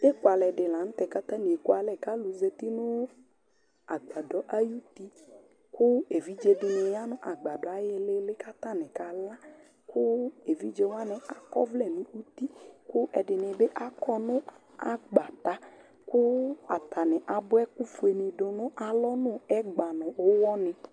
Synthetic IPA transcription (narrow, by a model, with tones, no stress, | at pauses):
e˦kwa˨lɛ˨ɖɪ˨la˨ñ̩˦t̪ɛ˨ka˦t̪ã˦ni˨e˨kwa˨lɛ˨ka˦lu˨ze˦t̪i˦nʊ̃˦ | a˨ɡ͡ba˨dɔ˨ʔa˦ju˦t̪i˦ | kʊ˦e˨vi˨˦d͡ʒe˧dɪ˨nɛ˨ja˦nʊ̃˦ʔa˨ɡ͡ba˨dɔ˨a˨jɛ˦le˦lɪ˦ka˦t̪ã˦nɛ̃˨ka˨la˦ | kʊ˦e˨vi˦d͡ʒe˦wa˦nɛ˨ʔa˨kɔ˦vlɛ˦˨nũ˨˦u˦t̪i˦kʊ˦ʔɛ˨ɖɪ˨nɛ̃˨be˦ʔa˦kɔ˦nʊ̃˦ | a˨ɡ͡ba˨ta˨˦ | kʊ˦a˨t̪a˨nɛ̃˨ʔa˨bʊ˦ɛ˦ku˦fu˨e˨nɪ˨dʊ˨nʊ̃˦ʔa˨lɔ˦nʊ̃˦ɛ˦ɡ͡ba˨nʊ̃˨ʊ˦wɔ˦nɛ̃˨